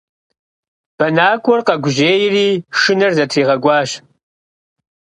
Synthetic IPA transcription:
b̥ɐnaːkʷʰʼɔrqɐɡʷʊʑeːjriːʂɨnɐrzɐtʰriːʁɐɡʷɑːʃ

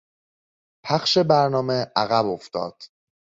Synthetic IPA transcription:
pʰæxʃe̞bæɾnɒːme̞ʔæɣæbo̞ft̪ɒ̰ːd̪̥

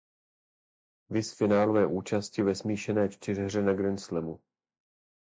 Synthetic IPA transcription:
vɪsfɪnaːlovɛːʔuːt͡ʃascɪvɛsmiːʃɛnɛːt͡ʃt̪ɪrɦr̝ɛnaɡɾɛnslɛmu

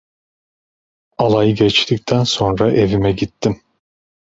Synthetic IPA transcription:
alˠajɯɡɛt͡ʃt̪ʰic̚t̪ʰænso̞nɾaʔe̞vimɛɟit̪ʰːim

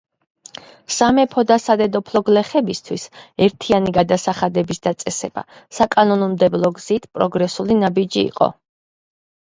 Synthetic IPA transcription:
samɛpʰɔd̪asad̪ɛd̪ɔpʰlɔɡlɛχɛbist̪ʰwisɛɾt̪ʰianiɡad̪asaχad̪ɛbisd̪at̪sʼɛsɛb̥a̰sakʼanɔnɔmd̪ɛblˠɔɡz̥it̪ʰpʼɾɔɡɾɛsulinabid͡ʒḭːqʼɔ̰

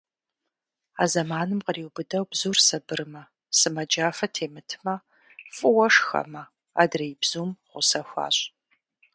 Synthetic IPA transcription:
a̰ːzɐmaːnɨmqəriwbɨdɐwbzuːrsɐbɨrɨmɐ | sɨmɐd͡ʒaːfɐtʰeːmɨtʰɨmɐ | fʼɨwɐʂxɐ̰mɐ | a̰ːdrɐjbzuːmʁʷʊsɐxʷɑ̰ːɕʼ

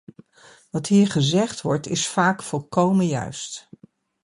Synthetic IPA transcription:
ʋɑtɦiːɹχəzɛχtʋɔɹtɪsfaːkfɔlˠkowməjœ̰ɥst

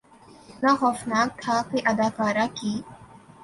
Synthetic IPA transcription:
naxɔːfnaːk̚t̪ʰakeʔɐd̪aːkaːɾakiː

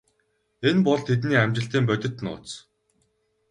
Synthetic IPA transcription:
enpɔɮt̪ʰet̪niːæmt͡ɕɪ̆ɬt̪iːmpœt̪ʲɪ̆t̪nʊ̰ːt͡s

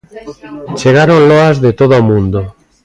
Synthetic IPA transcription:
t͡ʃeɣ̞aɾonloazðet̪oðomũnd̪o

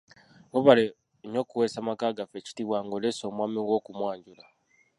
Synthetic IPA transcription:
ŋɡoβale | ɲo̞ːkuwesamakaːɡafe̞ci̥tiβwaːŋɡoleso̞ːmwaːmiŋɡwo̞ːkumwaːɲɟula

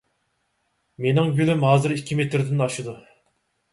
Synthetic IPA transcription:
menɪŋɡʲylymɦɑːzɨɾikʲːimet̪ɾd̪ɪnɑʃɨd̪u

